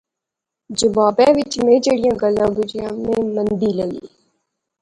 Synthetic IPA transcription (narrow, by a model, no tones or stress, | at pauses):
d͡ʒəbaːbɛːʋɪt͡ʃmẽːd͡ʒeːɽɪjãːɡəlːãːɡʊd͡ʒɪjãːmẽːmənd̪iːləɡḭː